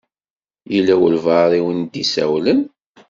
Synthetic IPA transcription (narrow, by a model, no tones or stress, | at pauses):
jilːæwəlvɑɾˤiwənd̪isæ̰wlən